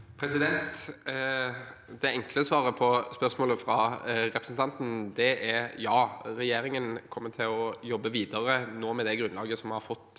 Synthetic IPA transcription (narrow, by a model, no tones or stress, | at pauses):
pʰɾɛsɪd̪ɛnt̪ | d̪ɛɛŋkʰləsʋɑːɾəpʰɔspœɾsmoːləfɾɑɾɛpʰɾəsn̩t̪ʰɑnt̪n̩d̪ɛʔæɾjɑːɾɛjeːɾɪŋənkʰɔmːət̪ʰɪlɔjɔbːəʋiːd̪əɾənoːmɛd̪ɛɡɾʉnlɑːɡəsɔmhɑɾfɔt̪ː